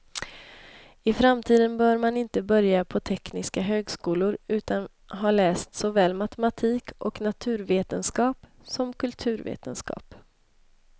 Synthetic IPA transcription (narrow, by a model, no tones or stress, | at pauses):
ɪfɾamt̪ʰiːd̪ənbœːɾmanɪnt̪əbœɾjapʰɔt̪ʰɛknɪskaɦøːɡskuːlʊɾʉ̟ːt̪an | ɦɑːlɛːst̪sɔvɛːlmat̪ɛmat̪ʰiːkʔɔknat̪ʰʉ̟ːɾveːt̪ənskɑːp | sɔmkɵlt̪ʰʉ̟ːɾvḛːt̪ənskɑ̰ːp